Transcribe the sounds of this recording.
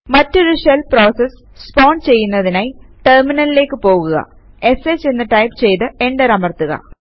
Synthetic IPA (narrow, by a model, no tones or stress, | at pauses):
mɐtːo̞ɾuʂelpro̞ːsesː | poːɳɖt͡ɕe̞jːunːɐðinaːjiʈerminɐlileːkːɨpo̞ːɣuɣɐ̰ | e̞seːt͡ɕːe̞nːɨʈɐjpt͡ɕe̞jt̪ɨe̞ɳɖɐɾɐmɐrt̪ːuɣɐ̰